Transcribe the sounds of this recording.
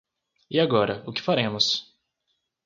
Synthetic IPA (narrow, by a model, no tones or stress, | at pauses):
ɪaɡɔɾɐʊkɪ̥faɾẽmʊs